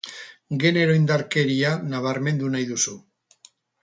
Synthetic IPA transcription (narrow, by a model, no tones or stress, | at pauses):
ɡe̞ne̞ɾo̞ind̪aɾke̞ɾianaβ̞aɾme̞nd̪unajðusu